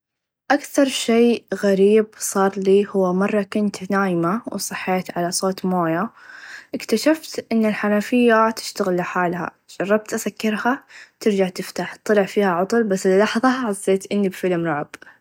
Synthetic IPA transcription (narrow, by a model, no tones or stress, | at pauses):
ʔakθɑɾˤʃeːɣaɾiːb̚sˤɑːɾˤliːhʊwːamɑrˤːɑkʊnt̪naːjmaw̰sˤɨħːeːt̪ʕalasˤoːt̪moːjaʔɪkt̪aʃaft̪ʔɪnːɪlħanafɪjːat̪ɪ̥ʃt̪aɣɪlːɪħaːlha̰ | d͡ʒɑrˤːɑb̚t̪ʔasakːɪɾhat̪ɪɾd͡ʒaʕt̪ɪft̪aːħt̪ˤːɑlɪʕfiːhaʕʊt̪ˤʊlbasːlːɑħðˤɑʕɑsˤːeːt̪ʔɪnːibfɪlmɾˤʊʕb